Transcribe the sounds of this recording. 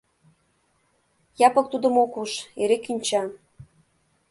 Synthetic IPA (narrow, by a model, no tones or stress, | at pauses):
jɑpɤ̆k̚t̪ud̪ə̆mokuʃeɾekynʲt͡ɕɑ